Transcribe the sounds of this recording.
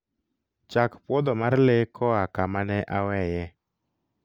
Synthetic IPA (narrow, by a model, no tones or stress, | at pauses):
t͡ʃakpwɔd̪ɔmaɾɪlɪkʰɔakamanɛʔawɛjɛ